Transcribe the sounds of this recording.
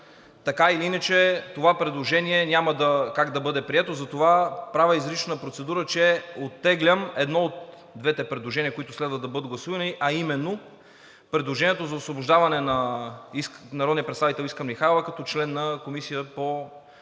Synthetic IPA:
t̪ɐkailiinət͡ʃɛt̪ovapɾɛd̪lˠoʒɛniɛnʲamɐd̪ɐkaɡd̪ɐbɤd̪ɛpɾiɛt̪ozɐt̪ovapɾavʲəizɾit͡ʃnəpɾot̪sɛd̪uɾət͡ʃɛot̪ːɛɡlʲəmɛd̪nɔot̪ | d̪vɛt̪ɛpɾɛd̪lˠoʒɛniəkoit̪ʊslɛd̪vɐd̪ɐbɤd̪əɡlˠɐsuvɐniʔɐimɛnːo | pɾɛd̪lˠoʒɛniɛt̪ozɐosvoboʒd̪avɐnɛnɐisnɐɾɔd̪niəɐpɾɛt̪savit̪ɛlˠiskəmlixajlovɐkɐt̪ɔt͡ʃlɛnːɐkomisiəpo

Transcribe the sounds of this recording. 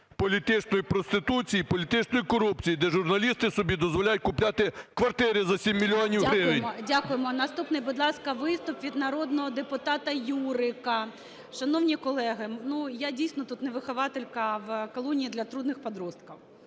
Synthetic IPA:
pɔlʲit̪ɪt͡ʃnɔjipɾɔst̪ɪt̪ut͡sʲijipɔlʲit̪ɪt͡ʃnɔjikɔɾupt͡sʲijid̪ɛʒʊrnɐlʲist̪ɪsɔbʲid̪ɔzʋɔlʲajʊt̚ʲkʊplʲat̪ɪkʋɐrt̪ɪɾʲɪzɐsʲimʲːilʲiɔnʲiwɦɾɪʋɪnʲdʲakʊjemɔnɐst̪upnɪjbʊd̪lˠɑskɐʋɪst̪ʊpʋʲid̪nɐɾɔd̪nɔɦɔd̪epʊt̪ɑt̪ɐjuɾɪkɐ | ʃɐnɔwnʲikɔlˠɛɦɪnujadʲijsʲnɔt̪ut̪neʋɪxɐʋɑt̪elʲkɐʋkɔlˠɔnʲiːd̪lʲɐt̪ɾud̪nɪxpɔd̪ɾɔst̪kɐw

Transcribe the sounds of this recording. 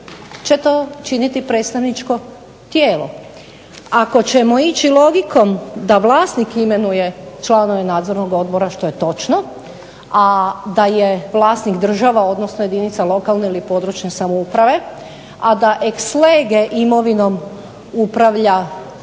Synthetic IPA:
t͡ʃe̞t̪oːt͡ʃinit̪ipɾe̞t̪st̪aʋnit͡ʃko̞ | t̪jeːlo | ako̞t͡ɕemo̞it͡ʃilˠo̞ɡiko̞md̪aʋlˠaːst̪nikime̞nuje̞t͡ʃlˠano̞ʋe̞naːd̪zo̞ɾno̞ɡo̞d̪̚bo̞ɾaʃt̪o̞je̞t̪o̞t͡ʃno̞ | ad̪ajeʋlˠaːsnikd̪r̩ʒaʋao̞d̪nosnoje̞d̪init̪salˠo̞kalneilipo̞d̪ɾut͡ʃne̞samoupɾaʋe̞ | ad̪aʔeksleːɡeʔimo̞ʋino̞m | upɾaʋʎa

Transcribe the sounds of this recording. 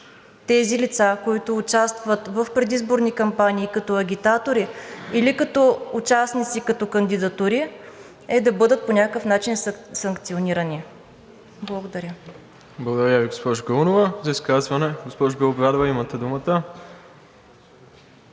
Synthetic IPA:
t̪ɛzilit̪sakoit̪ʊːt͡ʃast̪vət̪vəfpɾɛd̪izboɾnikɐmpaniːkɐt̪ɔɐɡʲit̪at̪oɾiilikɐt̪ɔʊt͡ʃasnit̪sikɐt̪ɔkɐnd̪id̪ɐt̪uɾi | ɛd̪ɐbɤd̪ət̪̚ponʲakəkəfnat͡ʃinssɐŋkt̪sioniɾəni | blˠəɡod̪ɐɾʲə | blˠəɡod̪ɐɾʲəviɡospɔʒɡəunovəzɐiskazvɐnɛɡospɔʒɡəlˠobɾʲad̪ovɐimɐt̪ɛd̪umət̪ə

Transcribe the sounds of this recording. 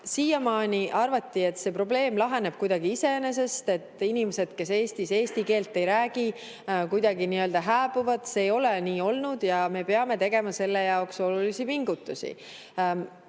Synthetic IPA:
siːjɑmɑːnʲiʔɑrvɑt̪ːie̞t̪ːse̞ːpro̞ble̞ːmlɑɦe̞ne̞b̥̚kujd̪ɑɡ̥iise̞ene̞s̬e̞st̪e̞t̪ːˑinʲimese̞d̪̥ke̞se̞ːst̪ise̞ːst̪ike̞ːlt̪ˑːe̞jɾæːɡ̥i | kujd̪ɑɡiniø̞ld̪ɑɦæːbuvɑd̪̥seːjo̞leniːo̞lnud̪̥jɑme̞peɑme̞t̪e̞ɡ̥e̞mɑse̞lːe̞jɑokso̞lulisipiŋɡut̪ːˑusḭ

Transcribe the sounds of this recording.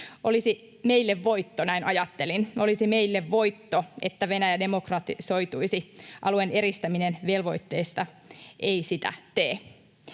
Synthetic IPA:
ʔolisi | me̞ilːeʋːo̞it̪ːonæinʔɑjɑt̪ːelino̞lisime̞ilːeʋʋo̞jt̪ːoe̞̰t̪ːæʋe̞næjæde̞mokrɑt̪iso̞jt̪uisiʔɑluene̞ɾist̪æminenʋe̞lʋo̞it̪ːe̞ist̪ɑ | ʔeisit̪æ̰t̪eː

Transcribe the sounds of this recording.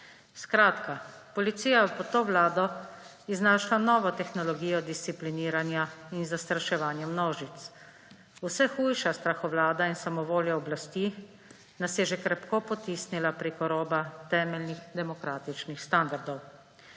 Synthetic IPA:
skɾaːt̪kapɔlit̪siːjajɛpɔt̪oːʋlaːd̪ɔ | iznaʃlanɔːʋɔt̪ɛxnɔlɔɡiːjɔd̪ist̪sipliniːɾanjainzast̪ɾaʃɛʋaːnjɛmnɔːʒit̪s | usɛxuːjʃast̪ɾaxɔʋlaːd̪ainsamɔʋoːljaɔblast̪i | nasjɛʒɛkɾɛpkopɔt̪iːsnilapɾekɔɾɔːbat̪ɛːmɛlnixd̪ɛmɔkɾaːt̪it͡ʃnixst̪and̪aɾd̪ɔw

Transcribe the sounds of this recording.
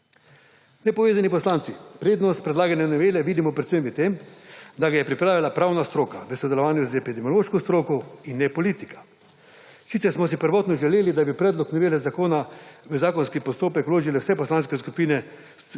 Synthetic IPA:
nɛpɔʋeːzanipɔslaːnt̪sipɾeːd̪nɔst̪̚pɾɛd̪laːɡanɛnɛʋeːlɛʋiːd̪imɔpɾɛt̪səmʋət̪emd̪aɡajɛpɾipɾaːʋilapɾaːwnast̪ɾoːkaʋəsɔd̪ɛlɔʋaːnjuzɛpid̪ɛmiɔloːʃkɔst̪ɾoːkɔinːɛpɔliːt̪i̥kḁ | sit̪ɛɾsmɔs̬ipəɾʋɔːt̪nɔʒɛleːlid̪abipɾɛːd̪lɔknɛʋeːlɛzakoːnaʋəzaːkɔnskipɔst̪oːpɛkwloːʒilɛwsɛpɔslaːnskɛs̬kupiːnɛ

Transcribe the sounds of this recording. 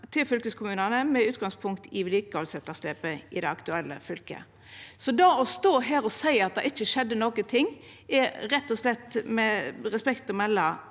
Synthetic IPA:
t̪ʰɪlfʏlkəskʰʊmʉːnənəmɛʉːt̪ɡɑŋspʰʊŋkt̪ʰɪʋɪliːkəɔlsɛt̪ːɑst̪eːpəɪd̪ɛɑkt̪ʉɛlːə̰fʏlkə̰ | sɔd̪ɑɔst̪oːɦæːɾɔsæɪɑt̪̚d̪ɛɪt͡ʃːəʃɛd̪ːənoːkət̪ʰɪŋː | ɛɾɛt̪ːɔslɛt̪ːmɛɾɛspɛkt̪ɔmɛlːə

